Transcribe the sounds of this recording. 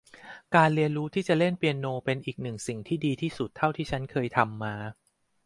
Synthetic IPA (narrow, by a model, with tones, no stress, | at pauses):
kaː˧nli˧ənɾuː˦˥t̪ʰiː˥˩t͡ɕa˨˩le˥˩npi˧ənːoː˧pe˧nʔiː˨˩k̚nɯ˨˩ŋsi˨˩ŋt̪ʰiː˥˩diː˧t̪ʰiː˥˩su˨˩t̪ʰːa˥˩wt̪ʰiː˥˩t͡ɕʰa˦˥nkʰɤː˧jt̪ʰa˧mːaː˧